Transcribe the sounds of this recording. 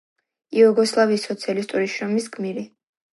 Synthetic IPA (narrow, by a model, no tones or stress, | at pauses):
iɔɡɔslˠavisːɔt̪sʰialist̪ʼuɾiʃɾɔmisɡmiɾi